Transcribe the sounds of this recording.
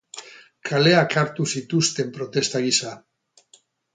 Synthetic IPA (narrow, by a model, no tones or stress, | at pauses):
kʰale̞akaɾt̪usit̪ust̪e̞mpɾo̞t̪e̞st̪aɣisa